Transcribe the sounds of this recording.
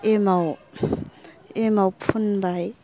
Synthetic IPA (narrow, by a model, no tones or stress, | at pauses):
emaw | emawpʰunbaj